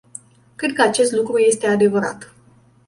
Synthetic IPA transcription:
kɾed̪̚kəat͡ʃe̞st̪lukɾuje̞st̪e̞ad̪e̞vəɾa̰t̪

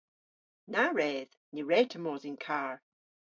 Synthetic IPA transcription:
naɹɛð̥ | niɹɛtʰəmɔzinkʰaɹ

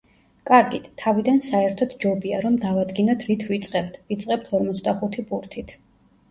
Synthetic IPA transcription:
kʼaɾɡit̪ʰːavid̪ansaɛɾt̪ʰɔt̪d͡ʒɔbiaɾɔmd̪avad̪ɡinɔt̪ʰɾit̪ʰvit̪sʼqʼɛb̚t̪ʰvit̪sʼqʼɛp̚t̪ʰɔɾmɔt̪sʰd̪aχut̪ʰipʼuɾt̪ʰit̪ʰ

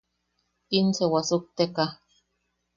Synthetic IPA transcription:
insewasuk̚t̪eka

